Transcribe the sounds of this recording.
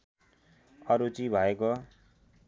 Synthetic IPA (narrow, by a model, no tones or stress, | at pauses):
ʌɾut͡sibʱʌeko